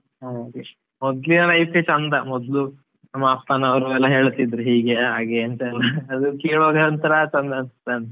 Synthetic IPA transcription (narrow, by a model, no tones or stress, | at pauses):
ɦakiɐmɔd̪linɐlɐjpet͡ʃɐnd̪ɐmɔd̪lu | nɐmːaːpt̪aːnɐʋɐɾuɛlːɐɦe̞ːɭt̪id̪ɾuɦiːɡeɦaːɡeɐnt̪ɐɛlːɐːd̪ukeːɭoːd̪eɐnt̪ɐɾɐt͡ʃɐnd̪ɐːnst̪ːeɐnt̪ɐ